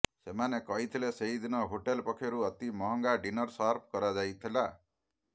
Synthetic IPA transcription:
semanekɔɦit̪ʰileseɦid̪inɔɦoʈelpɔkʰːjɔɾuɔt̪imɔɦɔŋɡaɖinɔɾsaɾp̚ʰkɔɾad͡ʒajt̪ʰila

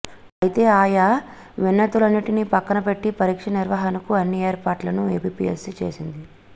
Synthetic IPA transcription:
ɐjit̪e̞ːaːja | ʋenːɐʈ̪ulɐnːiʈinipɐkːɐnɐpe̞ʈːipɐɾiːkʂɐniɾʋaːɦɐnɐkuɐnːieːɾpaːɾʈlɐnuḛːpipḭjesit͡ʃe̞̰ːsind̪i

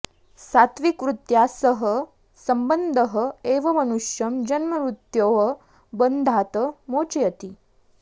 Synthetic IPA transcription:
sat̪ʋikʋɾut̪jasəɦə | sɐmbənd̪ʱəɦəeʋɐmɐnuʃjɐmd͡ʑɐnməɾut̪joʋə | bənd̪ʱaːt̪əmot͡ʃjɐt̪i

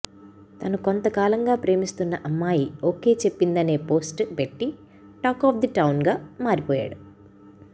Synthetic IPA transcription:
t̪ɐnukont̪ɐkaːlɐŋɡaːpɾe̞ːmist̪unːɐʔɐmːaːjioːke̞ːt͡ʃe̞pːind̪ɐne̞ːpo̞ːsʈpeʈːi | ʈaːkɔːfd̪iʈɐwnɡaːmaːɾipɔːja̰ːɽu

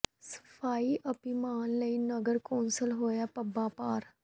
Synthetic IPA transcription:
sə̥pʰaːiːʔəpiːmaːnləiːnəɡəɾkoːnsəlɦoːjaːpəbaːpaːɾ

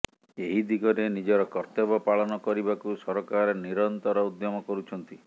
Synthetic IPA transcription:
eɦid̪iɡɔɾenid͡ʒɔɾɔkɔɾt̪ebɔpaɭɔnɔkɔɾibakusɔɾɔkaɾɔniɾɔnt̪ɔɾɔud̪jɔmɔkɔɾut͡ʃʰɔnt̪i

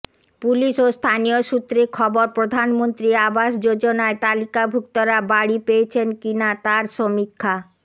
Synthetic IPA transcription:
puliʃost̪ʰanijoʃut̪ːɾeɾkʰɔboɾpɾod̪ʱanmont̪ɾiabaʃd͡ʑod͡ʑonaet̪alikabʱukt̪oɾabaɽipeet͡ɕʰenkinat̪aɾʃomikʰːa

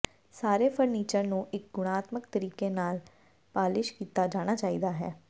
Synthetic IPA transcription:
saːɾeːpʰəɾniːt͡ʃəɾnũːʔɪk̚ɡʊɽ̃aːt̪məkt̪əɾiːkenaːl | paːlɪʃkiːt̪aːd͡ʒaːɽ̃aːt͡ʃaːḭːd̪aːɦɛ̰ː

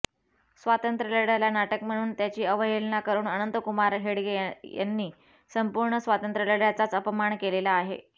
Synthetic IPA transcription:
sʋat̪ənt̪ɾələɽjalanaʈəkm̤əɽ̃uːnt̪jat͡ɕiːəʋəɦelnakəɾuːnənənt̪əkumaɾɦeɽɡeja̰nːiː | səmpuɾɳəsʋat̪ənt̪ɾələɽjat͡sat͡səpəmaɳkelelaːɦḛ

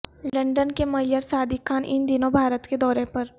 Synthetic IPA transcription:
lɐ̃ɳɖənkemɐɦɪləɾsaːd̪ʱikʰaːnʔɪnd̪ɪnõbʱaːɾət̪ked̪ɔːɾẽpɐɾ

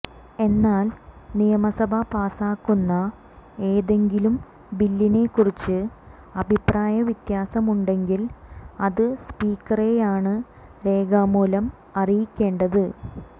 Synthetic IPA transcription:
e̞nːaːlnijɐmɐsɐbʱɐpaːsaːkːunːɐ | e̞ːðe̞ŋɡilum | bilːine̞kːurit͡ɕːɨ | ɐbʱipraːjɐʋit̪jaːsɐmuɳɖe̞ŋɡilɐðɨspiːkːɐre̞jaːɳɨ | ɾe̞ːɡaːmuːlɐm | ɐrijikʲːe̞ːɳɖɐðɨ

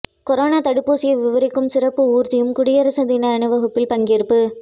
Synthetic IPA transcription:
kɔɾoːnaːt̪ɐɽɯpːoːsɪjɐʋɪʋɐɾɪkːɯmsɪrɐpːɯuːɾt̪ɪjɯmkʊɽɪjɐɾɐsɐd̪inɐɐnɯʋɐɣɐpːɪlpɐŋɡɪɪɾɯpːɯ

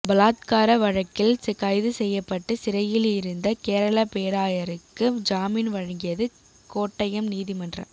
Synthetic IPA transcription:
bɐlaːt̪kaːɾɐʋɐɻɐkːɪlsɪkɐɪðɯsɛjːɐpːɐʈːɯsɪɾɐjɪlɪɾɯnd̪ɐkeːɾɐɭɐpeːɾaːjɐɾɯkːɯd͡ʒaːmiːnʋɐɻɐŋɡɪjɐðɯ | koːʈːɐjɐmniːðimɐndrɐ̰m

